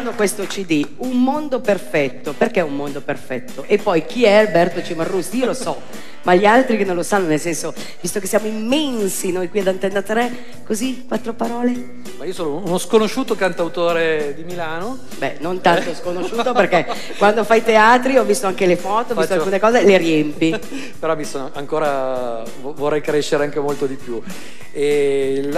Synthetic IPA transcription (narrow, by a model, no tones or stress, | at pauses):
nd̪okwest̪ot͡ʃid̪iunmond̪operfɛt̪ːoperkɛummːond̪operfɛt̪ːoʔepːɔjk̟iɛalbɛrt̪ot͡ʃimarːusiːolosɔ | maʎialt̪ɾikenːõnlosanːonelsɛnso | vist̪okesːjaːmoimːɛnsinojkwiad̪ant̪enːat̪ɾɛ | kozikwat̪ːɾopaɾɔːle | maiːosoːnounoskonoʃuːt̪okant̪awt̪oːɾed̪imilaːno | bɛnont̪ant̪oɔskonoʃːuːt̪operkɛ | kwand̪ofajt̪eaːt̪ɾiɔvist̪oaŋkelefɔːt̪oɔvist̪oakkuːnekɔːzeleɾiɛmpi | peɾɔmisonoʔaŋkoːɾa | vvorːɛjkɾeʃːeɾeaŋkemolt̪od̪ipju | e